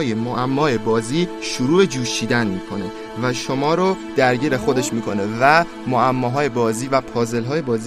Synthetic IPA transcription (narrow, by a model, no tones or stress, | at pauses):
jemoʔæmːɒːe̞bɒːziːʃuɾuːbe̞d͡ʒuːʃiːd̪ænmiːkʰo̞ne̞ | væʃomɒːɾod̪̥æɾɟiːɾe̞xo̞d̪e̞ʃmiːkʰo̞ne̞væ | moæmːɒːɦɒːje̞bɒːziːvæpʰɒːze̞lɦɒːjebɒːzi